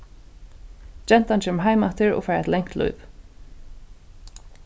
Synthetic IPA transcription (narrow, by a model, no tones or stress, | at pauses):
d͡ʒɛn̥t̪ant͡ʃɛmɦaɪmat̪ʰɪɹɔ̰ɣfaɪɾɛ̰t̪lɛŋ̥t̪lɔ̰ʏv